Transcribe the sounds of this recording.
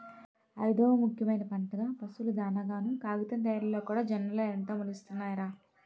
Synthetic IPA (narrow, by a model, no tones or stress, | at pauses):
ɐjd̪ɔːʋɐmukʰjɐmɐjnɐpɐɳʈɐɡaːpɐsulud̪aːnɐɡaːnukaːɡut̪ɐnd̪ɐjɾɐlːoːkuːɽaːd͡ʒɐnɐɾɐloːɐnt̪oːmulist̪unːaːjɾaː